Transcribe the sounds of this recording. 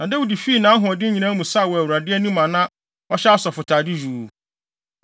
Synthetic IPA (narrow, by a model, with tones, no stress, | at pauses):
nã˨dɛ˦wʊ˨di˨fi˦˨nãː˨˦ɦʊ̃˨ɔ˨dɪ˦ɲĩ˨nã˦mũ˨sa˦˨wɔ˨æ˨wu˨ɾa˨dɪ˦ɛ˦nũ˦mã˨nã˦ | ɔ˦ɕɛ˦ɔ˦sɔ˨fʊ˨tʰaː˨dɪ˦d͡ʑᶣuː˨